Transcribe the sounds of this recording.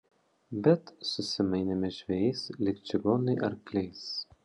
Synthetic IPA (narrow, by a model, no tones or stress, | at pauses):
bʲɛt̪sʊsʲɪmɐɪnʲɛmʲɪʒʲʋʲɛjɛɪslʲɪkt͡ʃʲɪɡoːnɐɪʔɐɾklʲɛɪs